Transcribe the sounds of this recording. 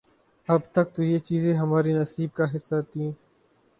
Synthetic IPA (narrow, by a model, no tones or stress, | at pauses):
əbt̪ək̚t̪oːjeːt͡ʃiːzẽːɦəmaːɾiːnəsiːb̚kaːɦɪsːaːt̪ʰĩː